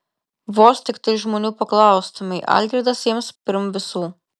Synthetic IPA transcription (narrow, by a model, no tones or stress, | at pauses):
ʋoːsʲt̪ʲɪkt̪ɐɪʒmɔnʲuːpɐklˠɑˑʊst̪ɐmɐɪʔa̰lʲɡ̪ʲɾʲɛd̪ɐsʲemspʲɪɾmʋʲɪsuː